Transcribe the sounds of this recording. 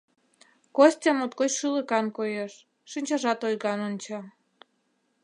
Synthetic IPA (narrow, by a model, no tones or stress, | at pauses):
kosʲt̪ʲemot̪kot͡ɕʃɨləkɑnkojeʃː | inʲt͡ɕɑʒɑt̪ojɣɑnonʲt͡ɕɑ